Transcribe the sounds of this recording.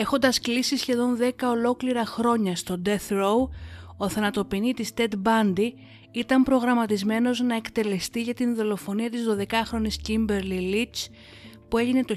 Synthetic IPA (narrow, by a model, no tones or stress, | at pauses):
e̞xo̞nd̪ɐsklisisçe̞ðo̞nðe̞kɐo̞lo̞kliɾɐxɾo̞ɲɐst̪o̞d̪e̞θɾowo̞θɐnɐt̪o̞pinit̪ist̪e̞t̪bɐnd̪i | it̪ɐmpɾo̞ɣɾɐmɐt̪izme̞no̞znɐe̞kt̪e̞le̞st̪iʝɐt̪inðo̞lo̞fo̞niɐt̪izðo̞ðe̞kɐxɾo̞niscimbe̞ɾlilit͡ʃ | pue̞ʝine̞t̪o̞